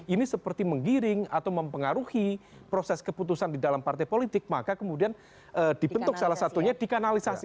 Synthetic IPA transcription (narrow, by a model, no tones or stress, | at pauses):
inisəpərt̪iməŋɡiɾɪŋat̪awməmpəŋaɾuhipɾosɛskəput̪̬usandidalampart̪ajpolit̪ɪk̚makakəmudian | ʔəːdibənt̪ʊk̚salahsat̪uɲadikanalisasi